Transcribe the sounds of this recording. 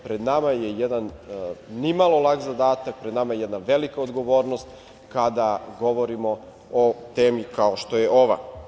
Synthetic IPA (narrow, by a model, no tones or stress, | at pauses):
pɾed̪namajejed̪anː | imalˠo̞lˠakzad̪aːt̪ak̚pɾed̪namajejed̪naʋelikaod̪ɡo̞ʋoːɾnost̪ | kad̪aɡo̞ʋoɾimo | ot̪eːmjikaoʃt̪o̞jeʔoʋa̰